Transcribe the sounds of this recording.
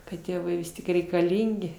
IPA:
kɐt ˈtʲeːʋɐɪ ˈʋʲɪs tʲɪk rʲɛɪkɐˈlʲiːŋʲɡʲɪ

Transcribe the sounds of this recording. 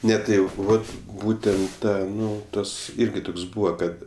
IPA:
ˈnʲɛ tɐɪ ˈjɛʊ ˈʋɐt ˈbuːtʲɛnt ˈtɑː ˈnʊ ˈtɐs ˈɪrʲɡʲɪ ˈtʊks ˈbuːʋɐ ˈkɐt

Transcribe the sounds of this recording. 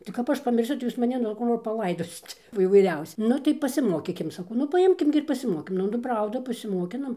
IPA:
tɐɪ kɐp ˈɐʃ pɐmʲɪrʲˈsʲʊ tɐɪ ˈjuːs mɐˈnʲɪ nʊ ˈkoː ʋɐ pɐˈlˠɐɪdoːsʲɪt oː iːʋɐɪˈrʲɛʊsʲɪ ˈnʊ tɐɪ pɐsʲɪˈmoːkʲiːkʲɪm sɐˈkɐʊ nʊ pɐˈɪmʲkʲɪm ɡʲɪ ɪr pɐsʲɪˈmoːkʲɪnɐm nʊ ˈprɐʊdɐ pɐsʲɪmoːˈkʲɪnoːm

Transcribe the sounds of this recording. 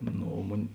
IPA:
ˈnoː oː ˈmʊnʲ

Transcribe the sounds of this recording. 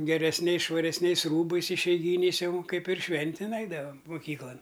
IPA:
ɡʲɛrʲɛsʲˈnʲɛɪs ʃʋɐrʲɛsʲˈnʲɛɪs ˈruːbɐɪs ɪʃʲɛɪˈɡʲiːnʲɛɪs ˈjɛʊ ˈkɐɪp ɪr ˈʃʲʋʲɛnʲtʲɪn ˈɛɪdɐʋɐm mʊˈkʲiːklˠɐn

